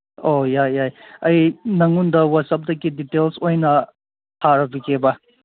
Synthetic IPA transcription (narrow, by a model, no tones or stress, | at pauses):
ojajajɐjnɐŋundɐwɐsɐp̚dɐkiditelsojnɐ | hʰaɾɐbikebɐ